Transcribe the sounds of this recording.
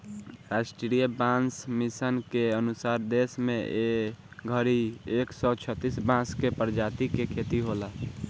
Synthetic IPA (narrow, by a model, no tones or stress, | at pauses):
ɾasʈɾɾijəbãnsmisənkeənusaːɾd̪esmẽe | ɡʱəɾieksɔt͡ʃʰət̪ːisbãskepəɾd͡ʒat̪ikekʰet̪iɦola